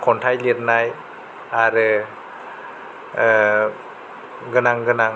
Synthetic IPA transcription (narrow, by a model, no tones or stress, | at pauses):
kʰɔntʰajliɾnaj | aɾɯ | ɡɯnaŋɡɯnaŋ